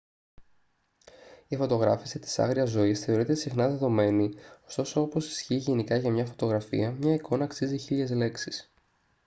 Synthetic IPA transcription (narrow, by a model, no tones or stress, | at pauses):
ifo̞t̪o̞ɣɾɐfisit̪i̥sɐ̰ɣɾiɐzo̞isθe̞o̞ɾit̪e̞sixnɐðe̞ðo̞me̞nio̞st̪o̞so̞opo̞si̥sçiːʝe̞nikɐʝɐmɲɐfo̞t̪o̞ɣɾɐfḭɐmɲɐikʰo̞nɐːksiziçiʎe̞zle̞ksis